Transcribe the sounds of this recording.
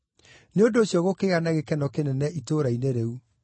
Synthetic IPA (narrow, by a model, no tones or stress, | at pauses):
neodoːɕjɔɣokeːɣanaɣekɛnɔkenɛnɛʔitoɾaineɾeu